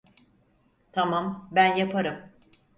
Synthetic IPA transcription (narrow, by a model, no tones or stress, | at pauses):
t̪ʰamambænjapʰaɾɯm